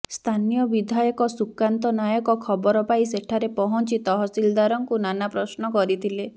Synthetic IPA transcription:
st̪ʰanijɔbid̪ʱajɔkɔsukant̪ɔnajɔkɔkʰɔbɔɾɔpais̬eʈʰaɾepɔɦɔnt͡ʃit̪ɔɦɔsild̪aɾɔŋkunanapɾɔsnɔkɔɾit̪ʰile

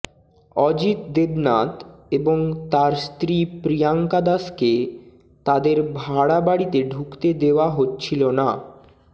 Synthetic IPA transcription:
ɔd͡ʑit̪̚d̪ebnat̪eboŋt̪aɾst̪ɾipɾijaŋkad̪aske | t̪ad̪eɾbʱaɽabaɽit̪eɖʱukt̪ed̪eoaɦotːɕʰilona

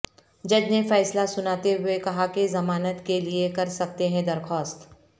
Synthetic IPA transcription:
d͡ʒɐd͡ʒnefɛːslasʊnaːt̪eɦʊekɐɦakezɐmaːnət̪keliekɐɾsɐk̚t̪eɦɛ̃d̪ɐɾxɔːst̪

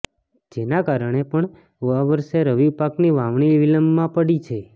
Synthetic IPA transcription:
d͡ʒenakaɾəɳ̃epəɳ | aʋəɾʃeɾəʋibpakniʋãʋɳ̃iʋiləmːãpəɽit͡ʃʰe

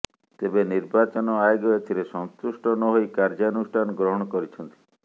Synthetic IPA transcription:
t̪ebeniɾbat͡ʃɔnɔajɡɔet̪ʰiɾesɔŋt̪usʈɔnɔɦojkaɾd͡ʒanusʈʰanɔɡɾɔɦɔɽ̃ɔkɔɾit͡ʃʰɔnt̪i̥

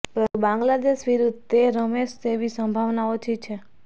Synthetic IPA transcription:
pəɾbãŋɡlad̪eʃʋiɾud̪̚ʱeɾomeʃt̪eʋisəmbʱaʋnaot͡ʃʰit͡ʃʰe

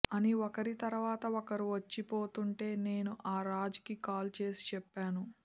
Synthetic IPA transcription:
ɐniɔkɐɾit̪ɐɾuʋaːt̪ɐɔkɐɾiʋɐt͡ʃːipo̞ːt̪uɳʈe̞ːne̞ːnuʔaːɾaːd͡ʒɐ̥kikaːlt͡ʃe̞ːsi̥t͡ʃɛpːaːnu

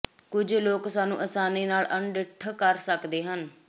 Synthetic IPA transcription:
kʊd͡ʒloːksaːnṵ̃ːʔəsaːniːnaːlʔəɳɖɪʈʰkəɾsəkd̪eːɦən

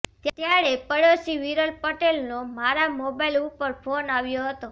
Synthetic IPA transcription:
t̪t̪jaɭepəɽosiʋiɾəlpəʈelnomaɾamobajlupəɾpʰonaʋjoɦət̪o

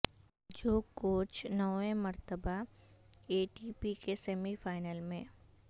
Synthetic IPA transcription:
d͡ʒoːkoːt͡ʃnɔẽməɾt̪əba | eːʈipikesɛmifaːɪnəlmẽ

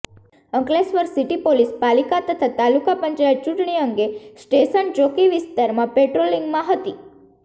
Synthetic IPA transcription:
əŋklesʋəɾsiʈipolispalikat̪ət̪ʰat̪alukapəɲt͡ʃajət̚t͡ʃuʈɳ̃iəŋɡesʈeʃənd͡ʒokiʋɪst̪aɾmãpeʈɾolĩŋɡmãɦət̪i

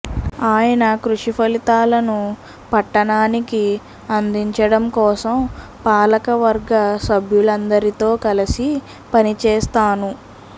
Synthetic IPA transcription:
aːjɐnɐkɾuʂipʰɐlit̪aːlɐnu | pɐʈːɐɳaːniki | ɐnd̪iɲt͡ʃɐɽɐmkɔːsɐm | paːlɐkɐʋɐɾɡɐsɐbʱjulɐnd̪ɐɾit̪o̞ːkɐlɐsi | pɐnit͡ʃɛːst̪aːnu

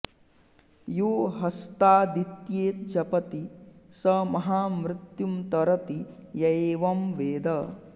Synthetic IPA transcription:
juːɦɐst̪aːd̪it̪jeːt̪̚d͡ʒɐpɐt̪isɐmɐɦaːmɾɪt̪jumt̪ɐɾɐt̪ijɐeːʋɐmʋeːd̪ɐ

